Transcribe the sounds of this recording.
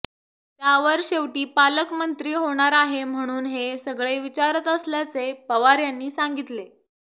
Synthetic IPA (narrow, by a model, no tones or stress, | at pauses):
t̪jaʋəɾɕeʋʈiːpaləkmənt̪ɾiːɦoɽ̃aɾaɦem̤əɽ̃uːnɦesəɡɭeʋit͡ɕaɾət̪əsljat͡sepəʋaɾjanːiːsaŋɡit̪le